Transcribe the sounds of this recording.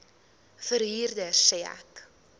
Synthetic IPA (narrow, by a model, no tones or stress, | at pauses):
fəɾɦiːrdəsɛːæ̰k